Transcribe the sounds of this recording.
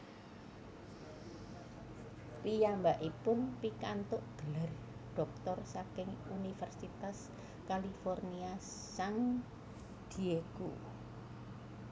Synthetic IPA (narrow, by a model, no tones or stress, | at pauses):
pijambaʔipʊnpikant̪ʊʔɡ̥əlar | ɖ̥ɔ̤k̚t̪ɔrsakɪŋunifɛrsit̪as | kalifɔrnia | saŋ | d̪̥i̤ekṵ